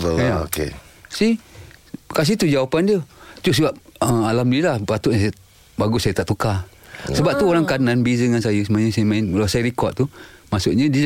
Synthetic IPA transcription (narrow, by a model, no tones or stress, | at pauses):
əokḛsi | kas̬iht̪ud͡ʒawapandət̪usiwaʔəalamdiəlahpat̪uʔɲəsaj | baɡʊsajət̪aʔt̪uka | səbap̚t̪uoɾaŋkananbizəŋansajəsəmuaɲəsajəmaɪnlasajəɾikɔt̪umasʊʔɲə̃di